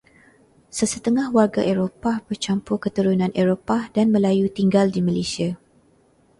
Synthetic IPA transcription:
səsət̪əŋahwarɡaʔeɾopabərt͡ʃampʊkət̪əɾunãnʔeɾopadanmə̃lajut̪iŋɡaldiməlesia

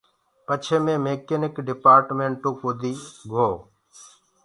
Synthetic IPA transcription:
pət͡ʃʰeːmẽːmeːkenɪkɖɪpaːɾʈmẽːɳʈũːkuːd̪ʱiːɡʱoː

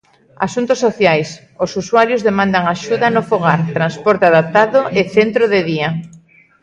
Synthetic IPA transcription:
a̰sunt̪ʊsːoθjajs | osuswaɾjozðemãnd̪aŋaʃuðɐnʊfoɣaɾt̪ɾanspɔɾt̪eaðap̚t̪aðʊʔɪθent̪ɾoðɪðia

